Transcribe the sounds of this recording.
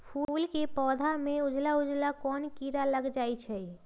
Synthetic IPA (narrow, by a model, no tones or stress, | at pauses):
pʰuːlkepɔːd̪ʱamẽʊd͡ʒlaʊd͡ʒlakɔːnkiɾaləɡd͡ʒaːit͡ʃʰɛ